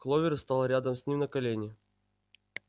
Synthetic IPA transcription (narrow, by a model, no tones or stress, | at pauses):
klˠovʲɪɾst̪alˠɾʲad̪əmsʲnʲimnəkɐlʲenʲɪ